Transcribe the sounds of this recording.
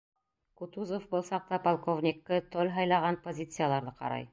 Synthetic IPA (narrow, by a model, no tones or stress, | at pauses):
kut̪uzofbɤlˠsɑq̚t̪ɑpolˠkovnʲɪkːɤt̪olʲɦɑjlˠɑʁɑnpozʲit̪sɨjalˠɑɾðɤqɑ̰ɾɑ̰j